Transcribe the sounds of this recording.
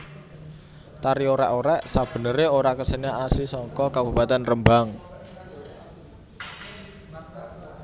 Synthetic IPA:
t̪aɾioɾɛʔoɾɛʔsab̥ə̤nəɾeoɾakəsənaʔasisɔŋkɔkabṳpat̪ɛnrəmbaŋ

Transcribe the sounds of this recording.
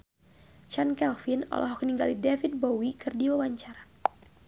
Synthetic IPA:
t͡ʃankɛlfinɔ̰lʔɔ̰ɦɔkəniŋɡalidɛfit̪̚bowikɨrdiwawaɲt͡ʃaɾa

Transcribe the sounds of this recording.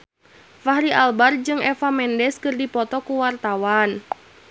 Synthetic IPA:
fahɾiʔalbard͡ʒɨŋɛfamɛndɛskɨrdipɔt̪ɔkuwart̪awan

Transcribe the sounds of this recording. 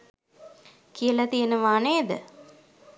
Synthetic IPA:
kijəlat̪ijənəʋaːneːd̪ə

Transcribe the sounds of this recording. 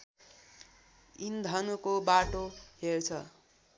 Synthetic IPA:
ind̪ʱʌnukobaʈohert͡sʰʌ

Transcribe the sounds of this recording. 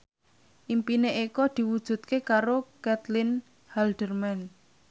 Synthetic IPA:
ʔimpineʔekɔd̪̥i̤wud̥ʒ̥ṳt̪̚kekaɾokɛt̪lɪn | hald̪̥ərmɛn

